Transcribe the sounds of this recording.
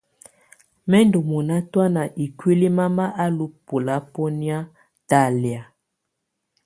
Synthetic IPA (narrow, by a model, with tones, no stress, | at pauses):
mɛ˦ndo˨mɔ˨na˦twa˦na˨ʔi˨kwi˦li˦ma˦ma˦ʔa˦lu˦pu˨la˦po˦ni˦a˦ | ta˦lja˨